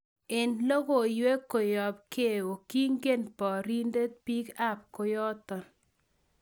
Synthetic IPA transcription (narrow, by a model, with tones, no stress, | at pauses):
e˨nlɔ˦ɡo˨jwe˦ko˨jɔ˨b̚ke˦˨o˨ki˦ŋɡe˦npɔ˨ɾi˦nde˦t̪̚pi˦ka˦˨p̚ko˨jɔ˦t̪ɔ˨